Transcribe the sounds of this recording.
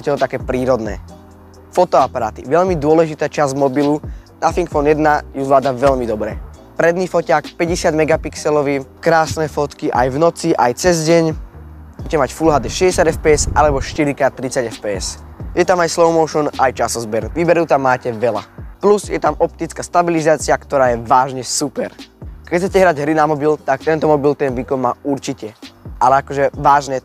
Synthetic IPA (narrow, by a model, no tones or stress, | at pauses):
ɛcɛt̪ɔt̪akɛːpɾiːɾɔd̪nɛ̰ː | fɔt̪ɔapaɾa̰ːt̪ḭʋɛʎmid̪ʊɔlɛʒit̪aːt͡ʃazmɔbilunafiŋkfɔnjɛd̪najuzʋlaːd̪aʋɛʎmid̪ɔbɾɛ̰pɾɛd̪niːfɔcaːkpɛɟɛsɪad̪mɛɡapiksɛlɔʋiːkɾaːsnɛfɔt̪kiʔa̰jvnɔt͡siʔajt͡sɛzɟɛɲbuɛcɛmacfulɦad̪ɛʃɛɟɛsjad̪ɛfpɛːɛsalɛbɔʃt̪iɾikat̪ɾit͡saɟɛfpɛːɛs | jɛt̪amajslɔʊmɔʊʃɔnʔajt͡ʃasɔzbɛɾuʋiːbɛɾut̪amːaːcɛʋɛla̰pluzjɛt̪amɔp̚t̪it͡skast̪abilizaːt͡sɪakt̪ɔɾaːjɛʋaːʒɲɛsupɛɾkɛt͡sɛcɛɦɾaɟɦɾinamɔbilt̪ak̚t̪ɛnt̪ɔmɔbilt̪ɛnʋiːkɔnmaːuɾt͡ʃicɛalɛakɔʒɛʋaːʒnɛ